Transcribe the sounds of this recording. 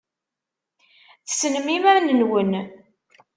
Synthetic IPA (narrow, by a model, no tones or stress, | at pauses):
θsənmimæɾnənwən